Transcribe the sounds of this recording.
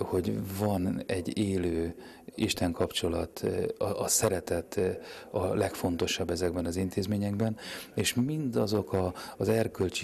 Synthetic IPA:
ho̞ɟvɒnɛɟːeːløː | iʃt̪ɛŋkɒpt͡ʃo̞lɒt̪ɒʔɒsɛɾɛt̪ɛt̪ɒlɛkfo̞nt̪o̞ʃɒbːɛzɛɡbɛnɒzint̪eːzmeːɲɛɡbɛneːʃmind̪ɒzo̞kɒzɛrkølt͡ʃ

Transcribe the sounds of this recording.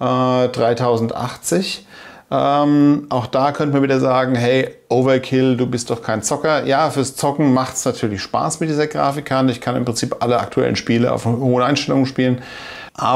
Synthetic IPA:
ʔɛdʁaɪtʰaʊzn̩tʔa̰χt͡sɪç | ʔɛmʔaʊxd̥aːkʰœntəmaɐviːdɐzaːɡŋ̩ɦɛɪʔoʊvɐkʰɪlduːbɪst̚d̥ɔχkʰaɪnt͡sɔkɐjaːfyːɐst͡sɔkŋ̩maχtsnatʰyːɐlɪçʃpa̰ːsmɪt̚d̥iːzɐɡʁa̰ːfɪkʰːantəɪçkʰanɪ̰mpʁ̥ɪnt͡siːpʔaləʔa̰k̚tʰuɛ̰lə̰n̩ʃpiːləʔa̰ʊfhoːənʔaɪnʃtɛlʊŋənʃpiːlən | ʔaː

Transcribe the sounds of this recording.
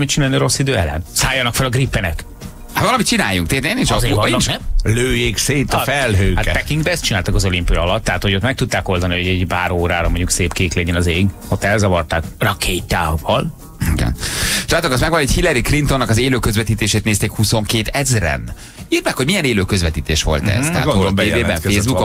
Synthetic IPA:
mit̪t͡ʃinaːlneɾo̞sːid̪øːɛlɛ̰nsaːjːɒnɒkfɛlɒɡripːɛnɛk | hat̪vɒlɒmit̪̚t͡ʃina̰ːjuŋk̚t̪eːt̪enint͡ʃzenːnɛløːjeːkseːt̪ɒfɛlɦøːhatkɛ̰pɛkiŋɡbɛɛst̪t͡ʃinaːlt̪ɒkɒzo̞limpijɒlɒt̪ːɛɦaːt̪ho̞ɟot̪mɛk̚t̪ut̪ːaːko̞ld̪ɒniho̞ɟɛɟpaːɾoːɾaːɾɒmoɲɟukseːpkeːklɛɟɛnɒzeːɡ | ot̪ːɛlzɒvɒrt̪aːkrɒkʰeːt̪aːvɒl | iɡɛ̰naːt̪okɒsmɛɡʋɒnochilːɛɾikrint̪o̞nːɒkɒzeːløːkøzvɛt̪iːt̪eːʃeːt̪neːst̪eːkhuso̞ŋkeːt̪ɛzrɛ̰n | iːrmɛkhoɟmijɛneːløːkøzvɛt̪iːt̪eːʃʋo̞̰lt̪ɛ̰z̥t̪ɛɦ̪ːoleːbeːbɛfeːzbuko

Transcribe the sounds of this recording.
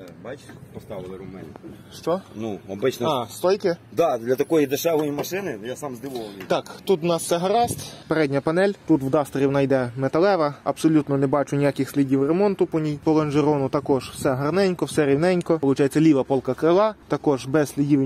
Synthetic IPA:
bat͡ʃʲpɔst̪ɑʋɪlˠɪɾʊmɛ̰nʲɪ | ʃt͡ʃɔnuɐbɪt͡ʃnɔɑst̪ɔjkɪd̪ɑd̪lʲɐt̪ɐkɔjid̪eʃɛʋɔjimɐʃɪnɪjasɑmzd̪ɪʋɔlˠɐmʲit̪ɑkt̪ut̪wnɑssɛɦɐɾɑsʲtʲpeɾɛdʲnʲɐpɐnɛlʲt̪ut̪wd̪ɑst̪ɾʲiwnɐjd̪ɛmet̪ɐlˠɛʋɐɐbsɔlʲut̪nɔnebɑt͡ʃʊnʲijakʲɪxsʲlʲidʲiwremɔnt̪ʊpɔnʲijpɔlˠɐnʒeɾɔnʊt̪ɐkɔʒ̥wsɛɦɐrnɛnʲkɔwsɛɾʲiwnɛnʲkɔpɔlˠʊt͡ʃɑjet͡sʲːɐlʲiʋɐpɔlˠkɐkɾɪlˠɑt̪ɐkɔʒbɛsʲsʲlʲidʲiʋ

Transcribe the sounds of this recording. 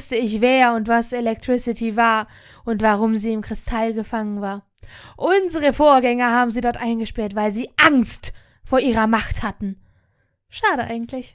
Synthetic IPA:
stəɪçveːɐʊntv̥aselɛk̚tʁ̥ɪsɪtʰivaːɐ | ʔʊntv̥aʁ̞ʊmziːɪmkʁ̥ɪstʰalɡəfaŋənvaːɐ | ʔʊnzəʁəfoːɐɡɛŋɐɦaːbm̩ziːdɔɐtʔaɪnɡəʃpɛɐtv̥aɪlziːʔaŋst | foːɐʔiːʁɐmaχthatn̩ | ʃaːɾəʔa̰ɪɡŋ̩tʰlɪç

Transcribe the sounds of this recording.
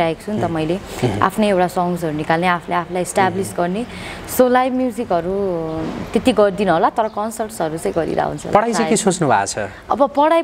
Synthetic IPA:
aɦekt͡sʰunt̪ʌmʌjlea̰pʰnʌjewʈasɔŋɡs̬ɦʌɾunikalneapʰʌleapʰʌlajesʈablisɡʌrnesolajmjud͡zikɦʌɾu | t̪et̪iɡʌrd̪inuɦolat̪ʌɾʌkʌnsʌrʈsʌɾut͡sʌ̃j̃ɡʌɾḭɾa̰ɦṵnt͡sʰʌ̰pʌɽajt͡sakisot͡snubʱa̰t͡sʰʌ | ʌ̰bʌpʌɽaj

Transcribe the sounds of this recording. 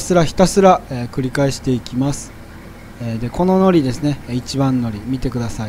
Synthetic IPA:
sɨɾaçi̥t̪asɨɾaekɯ̟ɾʲikaeɕi̥t̪e̞ikʲimasɨ̥ | eːd̪e̞ko̞no̞no̞ɾʲid̪e̞sɨne̞it͡ɕibãnːo̞ɾʲimʲit̪e̞kɯd̪asai

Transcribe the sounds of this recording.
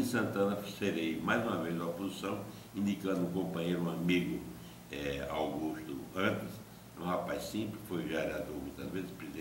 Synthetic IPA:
sɐ̃nt̪ɐ̃nɐfseɾejmajzũmɐvezd̪ɐpozisɐ̃w̃ | ĩnd̪ikɐ̃nd̪ũkõmpɐ̃ɲejɾũamiɣʊ | ɛa̰wɣuʃt̪ʊ̰ɐ̃nt̪ɪs | ɛũhapajssĩmplsfojviaɾad̪oɾmũt̪ɐzvezɪspɾeziẽ

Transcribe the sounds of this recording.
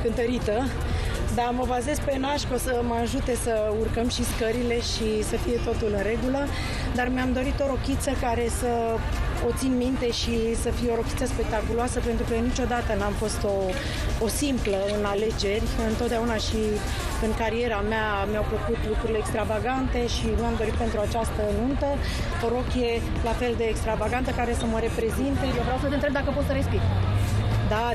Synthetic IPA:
kɨnt̪əɾit̪ə | d̪aməbaze̞zpe̞naʃko̞səməaʒut̪e̞sə | urkəmʃiskəɾile̞ʃisəfije̞t̪o̞t̪ulɨnre̞ɡulə | d̪armeamd̪o̞ɾit̪o̞ɾo̞kʲit̪səkaɾe̞sə | o̞t̪sinmint̪e̞ʃisəfijeo̞ɾo̞kʲit̪səspe̞k̚t̪akuloasəpent̪ɾukənit͡ʃo̞d̪at̪ənamfo̞st̪o̞ː | simpləɨnale̞d͡ʒe̞rʲɨnt̪ot̪d̪eaunaʃi | ɨŋkaɾie̞ɾamea | mjawfəkut̪lukɾuɾileːkst̪ɾavaɡant̪e̞ʃinuamd̪o̞ɾit̪pe̞nt̪ɾuat͡ʃast̪ənunt̪ə | oɾo̞kje̞ | lafe̞ld̪e̞ːkst̪ɾavaɡant̪əkaɾe̞səməɾe̞pɾe̞zint̪ejovɾeawsət̪ent̪ɾeb̚d̪akəpo̞t̪səɾe̞spik̪ | d̪a

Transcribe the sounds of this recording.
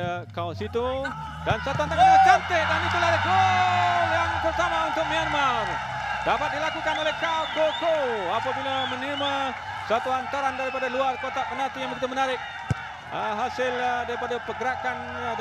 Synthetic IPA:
kawsit̪u | dansəat̪uant̪aaat͡ʃant̪ɪʔdanit̪uladəko | jaŋbərt̪amaunt̪ʊk̚mianmar | dapat̪̚dilakukanolɛhkakokoapabilamənima | səat̪uant̪aɾandaɾipadaluarkot̪aʔpənat̪ijaŋbəɾit̪amənaɾɪk̚ | əɦasɪldaɾipadapəɡəɾakan

